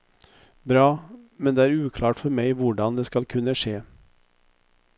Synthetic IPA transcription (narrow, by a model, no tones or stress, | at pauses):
bɾɑːmɛnd̪ɛːæɾʉːkʰlɑːʈfɔɾmæɪʋʊɖɑnd̪ɛskɑlkʰʉnːəʂeː